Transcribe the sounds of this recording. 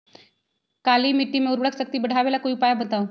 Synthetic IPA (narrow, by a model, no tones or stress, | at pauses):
kalimiʈːimẽuɾbəɽəksək̚t̪iːbəɽ̤ʱaʋelakoiupajabət̪au